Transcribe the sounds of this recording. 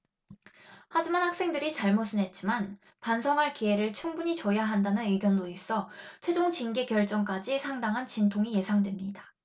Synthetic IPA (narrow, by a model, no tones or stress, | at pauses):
had͡ʑimanhak̚s͈ʰe̞ŋdɯɾit͡ɕaɭmosʰɯnɦe̞t̚t͡ɕ͈iman | pansʰʌŋɦaɭkie̞ɾɯɭt͡ɕʰuŋbuɲit͡ɕʌjaɦandanɯnɯɡjʌndois͈ʌt͡ɕʰwe̞d͡ʑoŋt͡ɕinɡe̞kjʌɭt͡ɕ͈ʌŋk͈ad͡ʑisʰaŋdaŋɦant͡ɕintʰoŋije̞sʰaŋdwe̞mɲida